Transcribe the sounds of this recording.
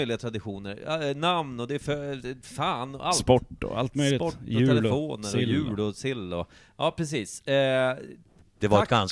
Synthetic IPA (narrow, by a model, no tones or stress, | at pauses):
jlɪɡat̪ʰɾad̪ɪɧuːnəɾ̰namnɔd̪ɛfœfaːn̰alspɔʈːɔ̰a̰lt̪mœjlɪpɔʉɛɛfoːnəɾɔjʉ̟ːlɔsɪlːɔ | jʔɑːpʰɾɛs̬iːs | d̪̥ɛvaɾɛt̪ɡans